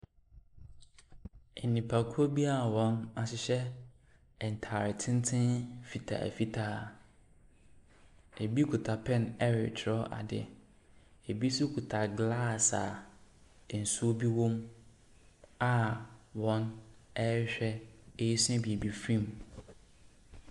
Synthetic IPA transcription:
e˨nːĩ˨pʰa˨kʰʊ˦o˦bi˦a˦˨wɔ̃˨na˨ɕɪ˦ɕɛ˦ | ɛ˨n˨tʰa˨ɾɪ˨tʰɪ̃˦n˦tʰɪ̃˦nfi˨tʰa̰˨ɛ̰˨fi˦tʰa˦˨ | e˨bi˦kʰu˨tʰa˨pʰɛ̃˦˨nɛ˦ɾɪ̰˨t͡ɕʰɪ˨ɾɔ˦ʔa̰˨dɪ̰˨ | e˨bi˦su˦kʰu˨tʰa˨ɡla˦˨sa̰˨ | n̩˨su˦o˦bi˦wõ˦m | a˦wɔ̃˨˦nɛ˦ɕᶣɛ˦e˦ji˦sʊ˦ɛ˦bi˨e˨bi˨fɾĩ˦˨m

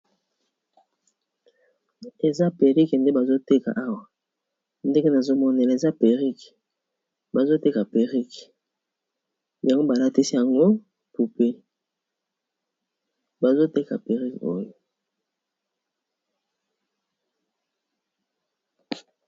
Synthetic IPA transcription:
e˨za˦pe˨ʁi˦knde˦ba˨zo˦te˦ka̰˨ʔa˦wa˨ | nde˦ɡe˦na˨zo˦mɔ˦ne˨la˨e˨za˦pe˨ʁi˦k | ba˨zo˦te˦ka˨pe˨ʁi˦k | ja˨ŋɡo˦ba˨la˦ti˦si˦ja˨ŋɡo˦ | pu˨pe˦ | ba˨zo˦te˦ka̰˨pe˨ʁi˦ko̰˦jo˨

